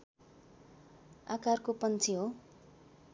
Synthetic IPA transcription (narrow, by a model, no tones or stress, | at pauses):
akarkopʌnt͡sʰiɦo